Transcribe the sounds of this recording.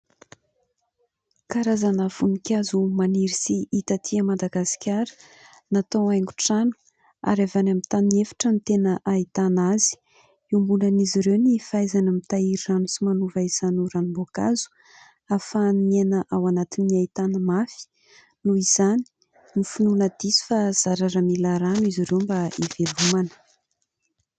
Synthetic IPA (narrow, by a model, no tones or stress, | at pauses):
kaɾazanəfunikʲazumaniɾisiʔit̪at̪ʰiəmad̪aɡasi̥kʲaɾə̥ | nat̪oajŋɡuʈ͡ʂanu̥ | a̰ɾavanamit̪anefḁʈ͡ʂənit̪enəʔait̪anazi̥ | umbulaniziɾewnifajzanamit̪aiɾiranusimanuvaiz̥anuɾanumboka̰zu̥ | afanenəʔawanat̪iniait̪anəmafi̥ | nuiz̥ani̥ | nifununəd̪̥isi̥faz̥aɾaɾəmilaɾanuiziɾewmbaiv̥elumanə̥